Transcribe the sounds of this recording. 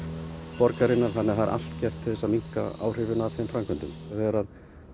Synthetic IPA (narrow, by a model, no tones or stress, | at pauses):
pɔɾkaɾɪnːaɾ̥θanːɛɾθaɾʔa̰l̥t̪cɛr̥t̪ʰːɪ̥θɛsːamiŋ̥ka̰a̰ːwr̥ɪvɪnaːθfejmfɾamkʏnt̪ʏmθaɛɾað